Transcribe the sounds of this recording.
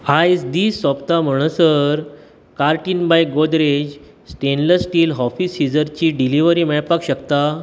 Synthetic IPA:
ajd͡zd̪iːsɔpt̪am̤əɳ̃əsəɾ | kaɾʈiːnbajɡod̪ɾed͡ʑ | sʈenləsʈiːlɦɔfisid͡zəɾt͡ɕiːɖiliʋəɾiːmɛɭpakɕəkt̪a

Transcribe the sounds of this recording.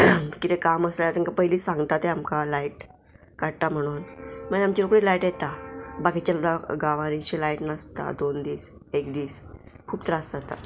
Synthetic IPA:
kit̪ẽkaməslaat͡səŋkapəɦliːsãŋɡt̪at̪eamkalaiʈ | kaɽ̚t̪am̤əɽ̃uːnmənamt͡ɕilokɽilaiʈjɛt̪abaɡit͡ɕalaɡaʋãɾ̃iɕilaiʈnəst̪a̰d̪ond̪iːs | ekd̪iːs | kʰuːpt̪əɾasat̪a̰

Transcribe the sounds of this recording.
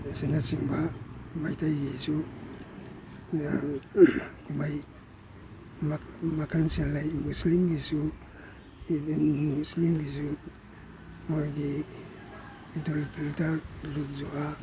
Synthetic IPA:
senasiŋbamajtʰajɡisu | kʰumaj | mmakʰanselːajmuslimɡisu | muslimɡisu | mojɡi | intʰolipʰilitaɾlut̚zoʔa

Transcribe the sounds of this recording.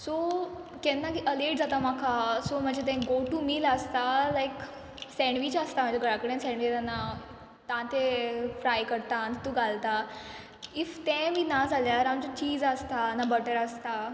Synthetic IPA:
so | kɛnːakiʔəleʈd͡zat̪amakʰasom̤əɳd͡ʑet̪ɛ̃ɡoʈumiːləst̪alajk | sɛ̃ɳʋit͡ɕast̪am̤əɳd͡ʑeɡəɽakəɽẽnsɛ̃ɳʋit̪anːa | t̪ãt̪efɾajkəɾt̪ant̪ũɡʱalt̪a | ift̪ɛ̃miːnad͡zʱaljaɾamt͡ɕat͡ɕiːd͡zəst̪anabəʈəɾəst̪a

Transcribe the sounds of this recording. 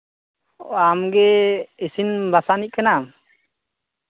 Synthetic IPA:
amɡɛisinbasanic̚kanam

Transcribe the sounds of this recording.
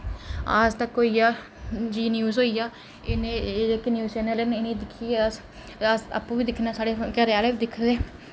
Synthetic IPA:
a̰ːst̪əkɦoːijaː | d͡ʒiːnjuːzɦoːijaː | ɪneːɪkːnjuːzt͡ʃɛːnɛːlenɪned̪ɪkʰːieːas | sa̰pːũːʋiːd̪ɪkʰːnaːsaːɽeːkəɾeaːleːʋiːd̪ɪkʰːdeː

